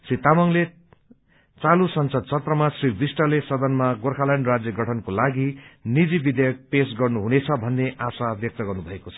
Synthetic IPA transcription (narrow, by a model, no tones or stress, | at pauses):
srit̪amʌŋle | t͡salusʌnsʌd̪̚t͡sʰʌt̪rʌmasribisʈʌlesʌd̪ʌnmaɡorkʰalaɳɖrad͡zjʌɡʌʈʰʌnkolaɡinid͡zibid̪jʌk̚pesɡʌrnuɦunet͡sʰʌbʱʌnːeʔasabjʌk̚t̪ʌɡʌrnubʱʌekot͡sʰʌ